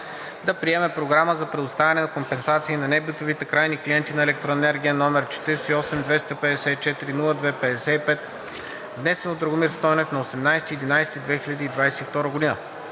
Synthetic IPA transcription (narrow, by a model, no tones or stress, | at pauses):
d̪ɐpɾiɛmɛpɾoɡɾaməzɐpɾɛd̪ʊst̪avʲɛnɛnɐkompɛnsat̪siːnɐnɛbit̪ovit̪ɛkɾajnikliɛnt̪inɐɛlɛk̚t̪ɾoɛnɛɾɡʲiənɔmɛɾt͡ʃɛ̥t̪iɾsɛiɔsɛmd̪vɛst̪ɐpɛd̪ɛsɛit͡ʃɛt̪iɾinulˠəd̪vɛpɛd̪ɛsɛipɛt̪ | vnɛsɛnod̪ɾoɡomiɾst̪ɔnɛfnɐosɛmnajsɛ̥t̪iɛd̪inajsɛt̪id̪vɛxilʎʲɐd̪iːd̪vajsɛift̪ɔɾəɡod̪inə